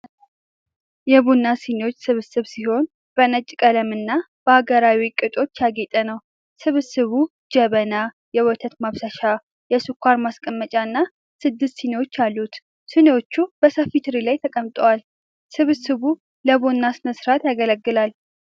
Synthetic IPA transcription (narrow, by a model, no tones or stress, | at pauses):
jɛβonːasinewo̞t͡ʃːsɨβɨsɨβsiho̞n | b̥ənət͡ʃʼkʼələmɨnːa | b̥əaɡəɾawikʼɨt̪ʼo̞t͡ʃːjaɡet̪ʼənəw | sɨβɨsɨβu | d͡ʒɛβəna | jɛwɔt̪ʰət̪maβsaʃa | jɛsɨkʷʰːaɾmaskʼəmːət͡ʃʼaɨnːa | sɨd̪ːɨst̪sinewo̞t͡ʃːalːut̪ | sɨnewo̞t͡ʃːubəsəfit̪ʰɨɾilajt̪ʰəkʼəmt̪ʼəwal | sɨβɨsɨβu | ləβonːasɨnəsɨɾat̪jaɡələɡːɨlal